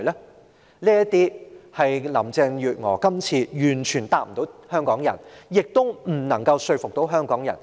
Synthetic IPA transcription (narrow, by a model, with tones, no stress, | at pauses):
lɛ˥ | liː˥jɐ˥t̪iː˥hɐ˨jlɐ˨˩mt͡sɛ˧ŋjyː˨t̚ŋɔ̰ː˨˩kɐ˥mt͡sʰiː˧jyː˨˩nt͡ʃʰyː˨˩nt̪aː˨m̩˨t̪o˨˥hœː˥ŋkɔː˨˥ŋjɐ̰˨˩njɪ˨k̚t̪ʊ˥wm̩˨˩nɐ˨˩ŋkɐ˧wsɵ˧ɥfʊ˨k̚t̪o˨˥wɦœː˥ŋkɔː˨˥ŋjɐ̰˨˩n